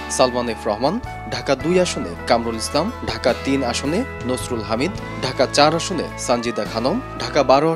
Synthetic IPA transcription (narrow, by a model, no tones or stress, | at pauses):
salmanefɾɔɦman | ɖʱakad̪ujaʃonḛkamɾulislamɖʱakat̪inaʃone | nosɾulɦamid̪ | ɖʱakat͡ɕaɾaʃonḛsand͡ʑid̪akʰanomɖʱakabaɾoa